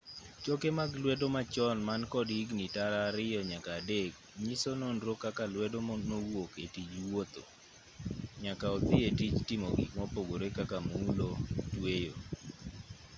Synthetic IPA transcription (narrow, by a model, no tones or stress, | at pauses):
t͡ʃokemaɡlwɛdomat͡ʃɔnmankɔdiɡnitaɾaːɾɪjɔɲakaːdek | ɲisononɾokakalwɛdonowoketid͡ʒwot̪o̰ | ɲakaɔt̪ɪetid͡ʒtɪmo̰ɡḭkmɔpoɡoɾekakamulotwejo̰